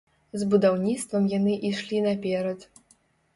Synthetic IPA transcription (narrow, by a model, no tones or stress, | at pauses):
zbud̪awnʲit̪st̪vɐmjanɨʔiʂlʲinapʲɛɾɐt̪